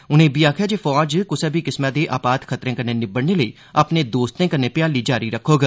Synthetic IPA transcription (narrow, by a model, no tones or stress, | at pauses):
ʊnẽːbʱiːaːkʰjaːd͡ʒeːfɔːd͡ʒkʊsɛːbʱiːkɪsmaːd̪eːʔaːpaːt̪kʰət̪ɾẽːkənẽːnɪbəɽneːləḭː | apneːd̪oːst̪ẽːkəneːpɪjaːliːd͡ʒaːɾiːɾəkʰːoːɡaː